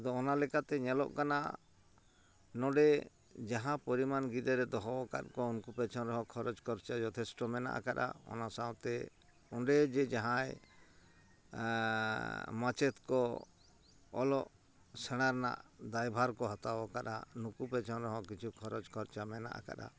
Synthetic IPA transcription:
d̪ɔɔnalɛkat̪ɛɲɛlɔ̰ʔkana̰ | nɔɖɛ | d͡ʒaɦãpɔɾimanɡid̪ɛɾɛd̪ɔɦɔɔka̰t̪̚kɔunkupɛt͡ʃʰɔnɾɔɦɔ̃kʰɔɾɔd͡ʒkʰɔɾt͡ʃad͡ʒɔt̪ʰɛsʈɔmɛna̰ʔa̰kaɗa̰ɔ̰nasaw̃t̪ɛ | ɔɖɛd͡ʒɛd͡ʒaɦãj | mat͡ʃɛt̪kɔ | ɔlɔʔ | sɛɽ̃aɾna̰ʔd̪ajbʱaɾkɔɦɔt̪awɔkaɗa̰nukupɛt͡ʃʰɔnɾɔɦɔ̃kit͡ʃʰukʰɔɾɔd͡ʒkʰɔɾt͡ʃamɛna̰ʔa̰ka̰ɗa̰

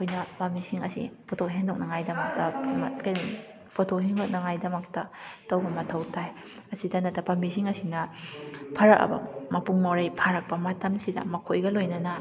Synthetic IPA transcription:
ɐkʰojnɐbamisiŋɐsḭpotʰokɦeŋdok̚nɐŋajdɐmɐk̚tɐŋkɐj | pʰotʰokɦeŋdok̚nɐŋajdɐmɐktɐtɐwbɐmɐtʰɐwtʰaj | ɐsidɐnɐtɐbamisiŋɐsinɐ | pʰɐɾɐk̚ɐ̰bɐ̰mɐpuŋmawɾɐjpʰaɾɐk̚pɐmɐtɐmsidɐ̰mɐkʰojɡɐlojnɐnɐ

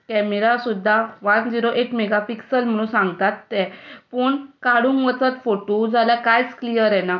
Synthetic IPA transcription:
kɛmeɾasud̪ʱːaʋand͡ziɾoʔeʈmɛɡapiksəlm̤əɽ̃ũsãŋɡt̪at̪ːɛpəːɳkaɽũːŋkʋət͡sat̪foʈod͡zaljakajt͡sklijəɾɛna

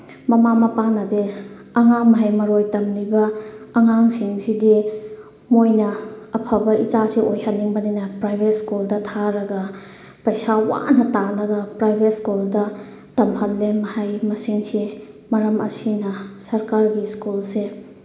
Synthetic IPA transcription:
mɐmamɐpanɐde | ɐŋaŋmɐɦajmɐɾojtɐmlibɐːŋaŋsiŋsidi | mojnɐːpʰɐbɐit͡ʃasiʔojhanːiŋbɐnajnɐpɾajbʱet̚skuldɐtʰaɾɐɡɐ | pɐjsawa̰nɐtanɐɡɐpɾajbʱet̚skuldɐ | tɐmɦɐlːemɐhajmɐsiŋsi | mɐɾɐmɐ̰sinɐsɐɾkaɾɡiskulse

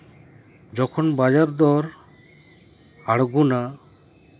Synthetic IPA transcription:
d͡ʒɔkʰɔnbad͡ʒaɾd̪ɔɾ | aɽɡuna

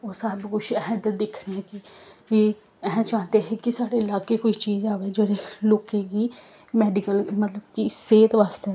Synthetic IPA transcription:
oːsaːbkʊt͡ʃʰɛːd̪əd̪ɪkʰneɛkɪi | ɛ̃ːt͡ʃãːnd̪eːɦeːkɪsaːɽeːɪlaːkeːkoːiːt͡ʃiːd͡ʒaːʋeːd͡ʒeːɽeːloːkẽːɡiː | mɛːɖɪkəlmət̪ləbkɪseːt̪ʋaːst̪eː

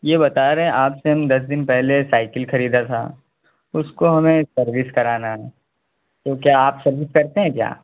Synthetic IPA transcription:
jeːbɐt̪aːɾeɦɛ̃ʔaːpseɦɐ̃md̪ɐs̬d̪ɪnpɛɦlesaːɪkɪlxɐɾiːd̪at̪ʰa̰ | ʊskoɦɐmẽsɐɾʋɪskɐɾaːnaɦɛː | t̪okjaːaːpsɐɾʋɪskɐɾt̪eɦɛ̃kja̰ː

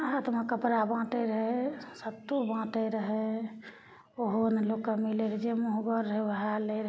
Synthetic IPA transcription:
at̪makəpɾabãːʈ̪eɾəɦɛsət̪ːubãːʈ̪eɾəɦɛ | oɦonlokkːəmileɾd͡ʒemoɦɡəɾːebəɦaleɾ

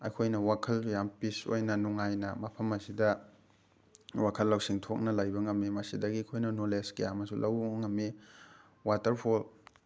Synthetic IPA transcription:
ɐjkʰojnɐwakʰɐljampiso̰jnɐnuŋajnɐmɐpʰɐmɐsidɐ | wakʰɐlːɐwsiŋtʰok̚nɐlajbɐŋɐmːimɐsidɐɡikʰojnɐnoleskejamɐsulʔɐwɐŋɐmːe | watɐɾpʰol

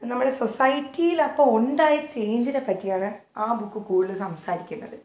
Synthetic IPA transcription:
nɐmːuɽe̞sosɐjitːijilɐpːoːuɳɖaːjit͡ɕe̞jɲd͡ʑinepɐtːijaːɳɨ | aːbukːɨkuːɻilɨsɐmsaːɾikʲːunːɐ̰ðɨ

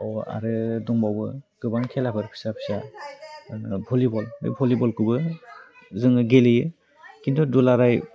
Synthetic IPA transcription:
ɔa̰ɾɯdɔŋbawbɯɡ̥ɯbaŋkʰelapʰɯɾpʰi̥sapʰi̥sa | bʰɔlibɔldɯ̰pʰɔlibɔlkɯbɯ | zɯŋɯɡelɯjɯ | kindʰɔdulaɾaj

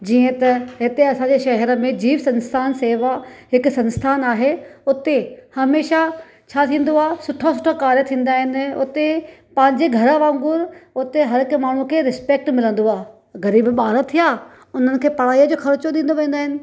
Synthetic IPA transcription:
d͡ʑiːə̃t̪ɐɦɪt̪eɐsãːɲd͡ʑeʃɐɦɛɾə̆mẽd͡ʑiːʋsɐ̃nst̪ʰaːnseːʋaɦɪkʊsɐ̃nst̪ʰaːnaːɦeʊt̪ehɐmeːʃa | t͡ɕʰaːt̪ʰĩːn̆d̪oaːsʊʈʰasʊʈʰakaːɾjət̪ʰĩːn̆d̪aːɦɪnɪʊ̰t̪epɐ̃ɦɪ̃ɲd͡ʑeɡʱɐɾəʋãːŋɡʊɾʊt̪eɦɐɾɪkmaːɳ̤ukʰeːɾɪspeːk̚ʈmɪlə̃nd̪oaː | ɣɐɾiːbɓaːɾət̪ʰijaː | ʊn̤ənɪ̆kʰeːpɐɽ̤aːijəd͡ʑoːxʰɐɾt͡ɕoɗ̪ĩːn̆d̪oʋẽːnd̪aːɦɪnɪ̆

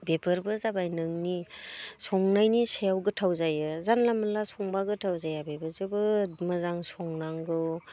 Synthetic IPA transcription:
bebʰɯɾbɯzabajnɯŋni | sɔŋnajnisejawɡɯtʰawzajɯzanlaməlasɔŋbaɡɯtʰawzajabebəɾzɯbɯmɯzaŋsɔŋnaŋɡɯw

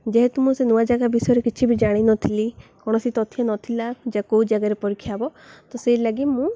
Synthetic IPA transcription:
d͡ʒeɦet̪umũsenuad͡ʒaɡabisɔjɔɾekit͡ʃʰibid͡ʒaɽ̃inɔt̪ʰilikɔɽ̃ɔsit̪ɔt̪ʰijanɔt̪ʰilad͡ʒakoud͡ʒaɡaɾepɔɾikʰːjabɔt̪ɔseilaɡimũ

